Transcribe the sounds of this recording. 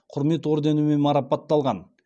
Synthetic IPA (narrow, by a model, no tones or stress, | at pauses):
qʰʊɾme̞t̪woɾd̪ɑnumemɑɾɑpɑt̪ːɑlˠʁɑn